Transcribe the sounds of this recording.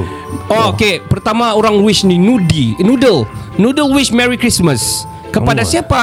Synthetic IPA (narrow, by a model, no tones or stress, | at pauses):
okepərt̪amaoɾaŋɾuɪʃninudinudəl | nudəlwɪt͡ʃmɛɾikɾisməs | kəpadasiapa